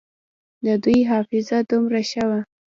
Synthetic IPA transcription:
d̪əd̪ujɦɑfɪzad̪umɾaʃawa

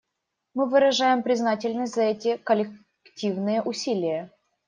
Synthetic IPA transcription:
mɨvɨɾɐʐajɪmpɾʲɪznatʲɪlʲnəsʲtʲzɐɛtʲɪkəlʲɪ | ktʲivnɨjəʔʊsʲilʲɪjə

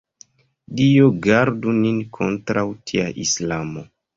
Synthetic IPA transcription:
dioɡaɾduninkʰo̞ntɾawtʰiaʔislamo̞

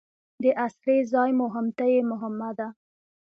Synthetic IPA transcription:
d̪əʔasɾezɑjmʊɦɪmt̪ajemʊɦɪmːad̪a

